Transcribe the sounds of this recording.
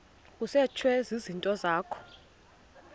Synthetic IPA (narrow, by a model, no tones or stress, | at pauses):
kʼusɛt͡ʃʰwɛzizintʼɔzaːkʰɔ̥